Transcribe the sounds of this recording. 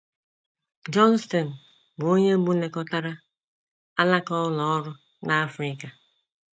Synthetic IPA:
d͡ʒɔ˦n˦stɔ˨n̩˨ | bo˦ɲe˦m̩˦bu˦ne˨kɔ˦ta˦ɾa˦ | a˦la˦kɔ˦lɔ˨ɔ˦ɾʊ˦ | na˦a˦fɾɪ˦ka˨

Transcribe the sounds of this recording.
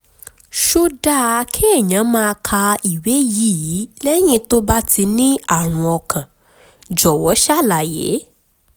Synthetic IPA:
ʃo˦da˦˨˧kʰe˦ɛ˦˨ɲã˨˦mãː˦˧kʰa˧i˨we˨˦ji˨˦˨ji˨˦lɛ˦j̃ĩ˦to˦ba˦tʰi˧nĩ˦a˦˨w̃ɔ̃˧ɔ˧kʰã˨ | d͡ʒɔ˨wɔ˨˦ʃa˦˨la˨jḛ˨˦

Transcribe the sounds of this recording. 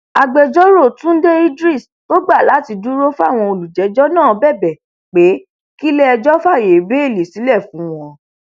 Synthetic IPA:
a˨ɡ͡bɛ˧d͡ʒɔ˦ɾo˦˨tũ˨˦de˦i˦dɾi˦˨s | to˦ɡ͡ba˦˨la˨˦ti˧du˦ɾo˦fa˦˨w̃ɔ̃˧o˧lu˨d͡ʒɛ˨˦d͡ʒɔ˦nãː˦˨bɛ˦˨bɛ˨ | k͡pe˨˦ | ki˦lɛ˦ɛ˧d͡ʒɔ˦fa˦˨je˨be˨˦e˦˨le˨si˨˦lɛ˦˨fũ˨˦w̃ɔ̃˧

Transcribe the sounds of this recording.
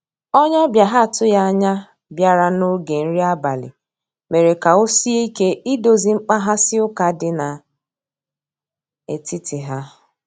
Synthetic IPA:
ɔ˦ɲ˦ɔ˦bja˨ɦa˦˨tʊ˦ja˦a˦ɲa˦ | bja˦ɾa˦no˦ɡe˨n̩˦ɾi˦a˦ba˨lɪ̰˨ | me˨ɾe˨ka˨o˦si˦e˦i˦ke˦i˦do˨zi˨ŋ͡m̩˦k͡pa˦ɦa˦sɪ˦ʊ˦ka˨dɪ˨na˨ | e˨tɪ˦tʰɪ˨ɦa˦

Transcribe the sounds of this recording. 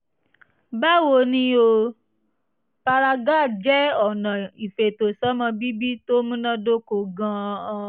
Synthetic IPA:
ba˦wo˧nĩ˦o˧ | pa˧ɾa˧ɡa˦˨d͡ʒɛ˦ɔ˦˨nã˨i˨fe˨to˨sɔ˨˦mã˧bi˦bi˦to˦mũ˦nã˦do˦ko˧˨ɡã˧

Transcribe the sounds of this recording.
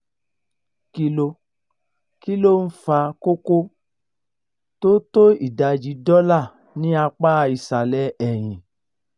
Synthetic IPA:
ki˧lo˧ | ki˦lo˦n̩˦fa˧ko˦ko˦ | to˦to˦i˦˨da˧d͡ʒi˧dɔ˦la˦˨ | nĩ˦a˧k͡pa˦˧i˧˨sa˨lɛ˦ɛ˦˨j̃ĩ˨

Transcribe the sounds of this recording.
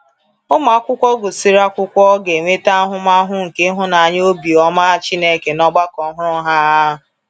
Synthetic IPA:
ʊ˦ma˨˦kʷʊ˦kʷɔ˦ɡʊ˨si˦ɾa˦kʷʊ˦kʷɔ˦ɡe˨ŋʷe˦ta˦a˦ɦʊ˦ma˦ɦʊ˦ŋ̩˨ke˦ɦʊ˦na˨a˨ɲ˦o˦bi˨ɔ˦ma˦t͡ʃi˦ne˦˨ke˨nɔ˦ɡ͡ba˦kɔ˨˦ɦʊ˦ɾʊ˦ɦa˦˨

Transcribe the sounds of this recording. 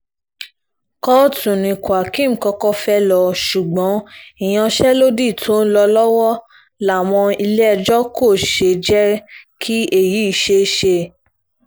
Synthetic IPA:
kɔ˦˨tũ˨nĩ˧˨kwa˨kĩ˦˨m̩˨kɔ˧kɔ˦fɛ˦lɔ˧ʃu˨ɡ͡bɔ̃˨˦i˨j̃ã˧ʃɛ˦lo˦di˦˨tʰo˨˦n̩˦lɔ˧lɔ˦wɔ˦ | la˦˨w̃ɔ̃˧i˧lɛ˦ɛ˧d͡ʒɔ˦ko˦˨ʃe˧˨d͡ʒɛ˦kʰi˦e˦˨ji˨˦i˧˨ʃe˧ʃe˧˨

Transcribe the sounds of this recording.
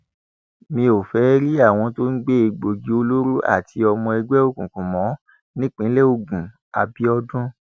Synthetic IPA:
mĩ˧o˨fɛ˨˦ɾi˦a˦˨w̃ɔ̃˧to˦n̩˦ɡ͡be˦e˧ɡ͡bo˨ɡi˨˦o˧lo˦ɾu˦ʔa̰˦˨tʰi˧ɔ˧mɔ̃˧ɛ˧ɡ͡bɛ˦o˦˨kũ˨kũ˨mɔ̃˨˦ | nĩ˦k͡pĩ˨˦le˦o˧˨ɡũ˨ | a˨bi˦ɔ˧dũ˦

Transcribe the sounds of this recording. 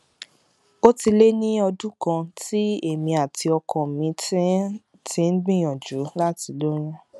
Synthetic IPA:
o˦ti˧le˦nĩ˦ɔ˧dũ˦kã˧ti˦e˦˨mĩ˧a˨ti˧ɔ˧kʰɔ̃˨mĩ˧ | tĩ˧˦n̩˦ɡ͡bĩ˦˨j̃ɔ̃˨d͡ʒu˨˦la˦ti˨˧lo˦ɾ̃ũ˦

